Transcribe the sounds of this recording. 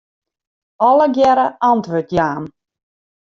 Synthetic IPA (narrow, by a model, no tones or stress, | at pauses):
ɔlˠəɡjɛɾəɑntʋøtjaːm